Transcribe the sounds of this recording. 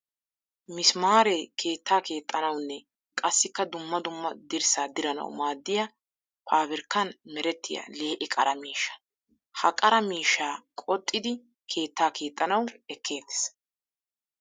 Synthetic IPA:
mɪsmaːɾekʰe̞ːt̪ʰːaːke̞ːt̪ʼːɐnɐwnːɛ | kʼɐsːɪkːɐd̪ʊmːɐd̪ʊmːɐd̪ɪɾsaːd̪ɪɾɐnɐ̰wmaːd̪ːɪjɐ | pʰaːβɪɾkːɐnmɛɾɛt̪ːɪjɐ̰le̞ːʔɪkʼɐɾɐmiːʃːɐ̥ | hɐkʼɐɾɐmiːʃːaːkʼɔt̪ʼːɪd̪ɪ | kʰe̞ːt̪ːaːkʰe̞ːt̪ʼːɐnɐwɛkʰːe̞ːd̪ːɛ̥s

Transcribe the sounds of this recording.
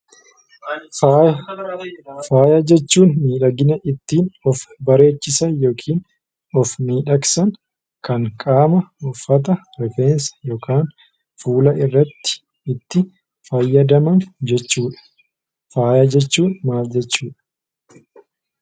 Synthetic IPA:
faːj | faːjɐd͡ʒɛt͡ʃːuːnmiːᶑɐɡɪnɐʔɪt̪ːiːnɔfbɐɾe̞ːt͡ʃːɪsɐjo̞ːkʰiːn | ɔfmiːᶑɐksɐŋ | kɐŋkʼaːmɐɔfːɐt̪̬ɐɾɛfe̞ːnsɐ̥jɔkaːn | fuːlɐʔɪrːɐt̪ːɪ̥ | ɪt̪ːɪ | fɐjːɐd̪ɐmɐnd͡ʒɛt͡ʃːuːᶑɐ̥ | faːjɐd͡ʒɛt͡ʃːuːnmaːld͡ʒɛt͡ʃːuːᶑɐ̥

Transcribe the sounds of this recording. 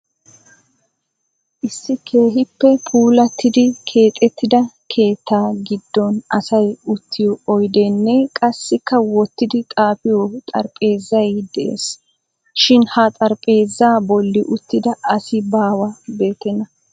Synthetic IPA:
ʔɪsːɪkʰe̞ːɦɪpːɛpʰuːlɐt̪ːɪd̪ɪkʰe̞ːt̪ʼːɛt̪ːɪd̪ɐ | kʰe̞ːt̪ːaːɡɪd̪ːɔnɐsɐjʊt̪ːɪjɔɔjd̪ɛnːɛkʼɐsːɪkːɐwɔt̪ːɪd̪ɪt̪ʼaːpɪjɔt̪ʼɐ̰ɾpʼe̞ːzːɐjd̪ɛʔḛːs | ʃɪnhɐt̪ʼɐɾpʼe̞ːzːaːbɔlːɪʔʊt̪ːɪd̪ɐɐsɪbaːwɐbe̞ːt̪ɛnːɐ

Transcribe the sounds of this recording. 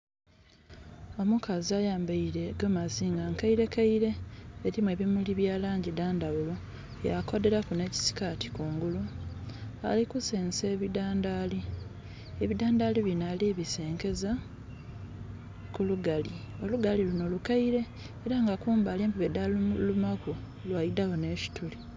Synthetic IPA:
o̞mukaziajaːmbaiɾe̞ɡomaziːŋɡaŋkaiɾe̞kaiɾe̞ːɾimwe̞ːβimuliβjaːlaːɲɟidaːndaβulo | ja̰ko̞de̞ɾakune̞ci̥si̥katʰi̥kuːŋɡulu | a̰likuseːnse̞ːβidaːndali | eβidaːndaliβinaliːβise̞ːŋke̞za | kuluɡali | o̞luɡaliluno̞lukaiɾe̞ː | ɾaŋɡakuːmbaːleːmpiβedallumaku | lwajidaɣoneːʃi̥tuli

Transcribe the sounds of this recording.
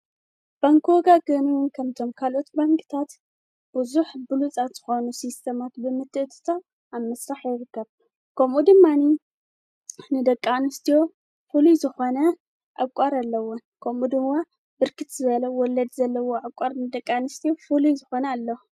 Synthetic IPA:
b̥aŋkʰoɡaɡɐmiwʊnkʰɐmt̪ʰo̞mkʰalʔo̞t̪baŋkɨ̥t̪ʰat̪ | b̥ɨzuħbɨlut͡sʼat̪z̥ɨxonusist̪ʰemat̪bɨmɨt̪ʰːɨʔt̪ʰɨ̥t̪ʰa | amɐsɾaħjɪɾɨkːɐβ | kʰɐmud̪ɨmːani | nɨd̪ɐkʼːanɨst̪ʰijo̞ | fuluzɨxonɐ | ʔakʷʼaɾalːɐwonkʰɐmʔud̪ɨmːa | bɨɾkʰɨt̪zɨβɐlɐwɔlɐd̪zɐlːɐwoakʼaɾnɨd̪ɐkʼːanɨst̪ʰijofulujzɨxo̞nɐːlːo

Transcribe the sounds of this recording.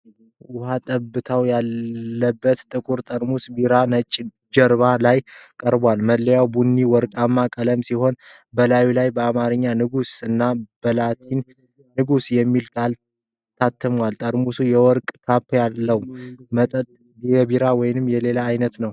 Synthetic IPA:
ʔʔʊhat̪ʼəbːɨt̪ʰawjalːəbːət̪t̪ʼɨkʼuɾt̪ʼəɾmusbiɾanət͡ʃʼː | d͡ʒəɾβalajkʼəɾbwalməlːəjawbunːiwɔɾkʼamːakʼələmsiho̞n | bəlawilajbəamaɾɨɲːanɨɡusɨnːab̥əlat̪ʰinː | ɨɡusjɛmːilkʰal | t̪ʰat̪ʰːɨmwalt̪ʼəɾmusujɛwɔɾkʼkʰapːjalːəwmət̪ʼət̪ʼ | jɛbiɾawɔjnɨmjɛle̞laːjnət̪nəw

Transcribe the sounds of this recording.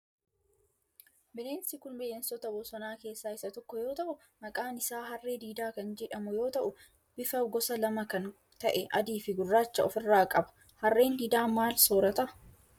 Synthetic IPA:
bɪleːnsɪkʊnbɪʔeːnsɔt̪ɐbɔsɔnaːke̞ːsːaːɪsːɐt̪ɔkːɔjo̞ːt̪ɐʔʊ | mɐkʼaːnɪsaːɦɐrːe̞ːd̪iːd̪aːkɐnd͡ʒɛᶑɐmʊjo̞ːt̪ɐʔʊ | b̥ɪfɐɡɔsɐlɐmɐkɐn | t̪ɐʔɛʔɐd̪iːfɪɡʊrːaːt͡ʃːɐɔfɪrːaːkʼɐbɐ̥ | hɐrːe̞ːnd̪iːd̪aːmaːlsoːɾɐt̪ɐʔɐ̥

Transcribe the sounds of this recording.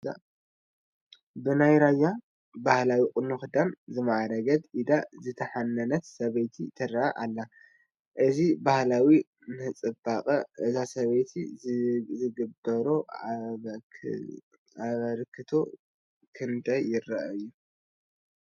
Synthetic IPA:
bɨnajɾajːa | bahlawikʼɨnuxɨd̪amzɨmaʕaɾɐɡɐd̪ʔid̪azɨt̪ʰɐħanːɐnɐt̪sɐβɐjt̪ʰit̪ʰɨɾaʔaʔalːa | ʔɨzibahlawi | nɨhɨt͡sʼɨbakʼɐʔɨzasɐβɐjt̪ʰi | zɨɡɨbɐɾo | aβɐlkʰːɨt̪ʰo | kʰɨnt̪ʰajːɪɾɐʔɨjːu

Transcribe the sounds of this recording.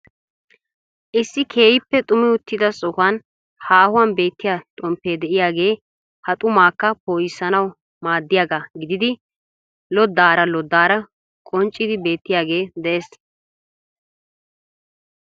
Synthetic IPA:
ʔɪsːɪkʰe̞ːjɪpːɛt̪ʼʊmɪʊt̪ːɪd̪ɐsʼɔhɐn | haːhʊwɐnbe̞ːt̪ːɪjaːt̪ʼɔmpːeːd̪ɛʔɪjaːɡe̞ː | hɐt̪ʼʊmaːkːɐpoːjɪsːɐnɐw | maːd̪ːɪjaːɡaɡɪd̪ɪd̪ɪ | lɔd̪ːaːɾɐlɔd̪ːaːɾɐ | kʼɔnt͡ʃʼːɪd̪ɪbe̞ːt̪ːɪjaːɡe̞ːd̪ɛʔeːs

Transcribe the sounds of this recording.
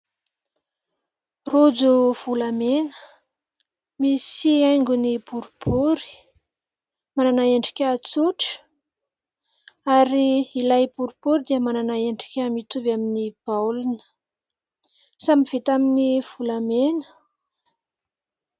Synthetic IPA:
rud͡zuv̥ulamenə̥ | misiajŋɡunibuɾubuɾi̥ | mananaeɳɖ͡ʐi̥kʲat͡suʈ͡ʂə̥ | aɾiilajbuɾubuɾid̪iəmananaeɳɖ͡ʐi̥kʲamit̪uvaminib̥awlunə̥ | samiv̥et̪aminiv̥ulamenə̥

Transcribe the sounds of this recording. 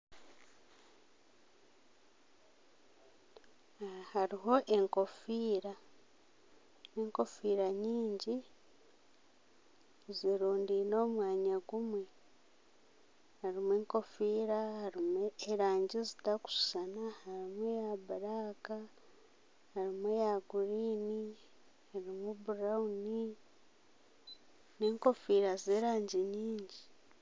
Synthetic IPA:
haɾiɦo̞ʔe̞ŋko̞fiːɾa | ne̞ːŋko̞fiːɾaɲiːɲɟi | ziɾuːndiːno̞ːmwaːɲaɡumwe̞ | haɾimweːŋko̞fiːɾahaɾimeɾaːɲɟizitaku̥ʃu̥sanahaɾimwejabaɾaːka | haɾimwejaɡuɾiːni | haɾimubuɾauni | ne̞ːŋko̞fiːɾazeːɾaːɲɟiɲiːɲɟi

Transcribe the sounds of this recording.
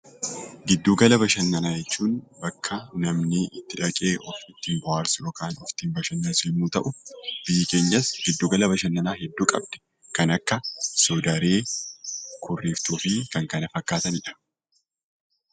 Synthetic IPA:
ɡɪd̪ːuːɡɐlɐbɐʃɐnːɐnaːd͡ʒɛt͡ʃːuːnbɐkʰːɐnɐmnɪɪt̪ːɪᶑɐkʼeːʔɔfɪt̪ːiːnbʊhaːɾsʊjoːkaːnɔft̪iːmbɐʃɐnːɐnsɪmːuːt̪ɐʔʊb̥ɪjɪke̞ːɲːɐsɡ̥ɪd̪ːuːɡɐlɐbɐʃɐnːɐnaːɦɛd̪ːuːkʼɐ̰b̚d̪ɛ̥ | kɐnɐkːɐsɔːd̪ɐɾeː | kʰʊrːiːft̪uːfɪkɐŋkɐnɐfɐkːaːt̪ɐnɪᶑɐ̥

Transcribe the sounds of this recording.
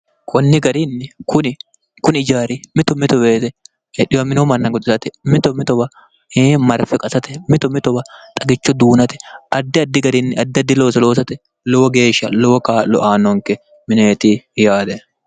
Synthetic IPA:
kʰɔnːɪɡɐɾinːɪkʰʊnɪ | kʊnɪɪd͡ʒaːɾɪmɪt̪ɔmɪt̪ɔbeːt̪ɛ | ᶑɪwɐmɪnɔmɐnːɐɡɔt̪ʼɪsɐt̪ɛmɪt̪ɔmɪt̪ɔbɐ | eːmɐɾfɛkʼɐsɐt̪ɛmɪt̪ɔmɪt̪ɔbɐt̪ʼɐɡɪt͡ʃːɔd̪uːnɐt̪ɛ̥ʔɐd̪ːɪɐd̪ːɪɡɐɾinːɪʔɐd̪ːɪɐd̪ːɪlo̞ːsɐloːsɐt̪ɛ | lɔwɔɡe̞ːʃːɐ̰lɔwɔkaːlɔʔaːnɔŋkɛ | mɪneːt̪ijaːd̪ɛ

